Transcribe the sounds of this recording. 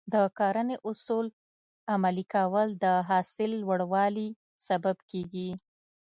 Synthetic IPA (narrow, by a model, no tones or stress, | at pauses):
d̪əkɑɾəneʔʊsul | amalikawəld̪əɦɑsɪlːwəɽwɑli | sababkeɡi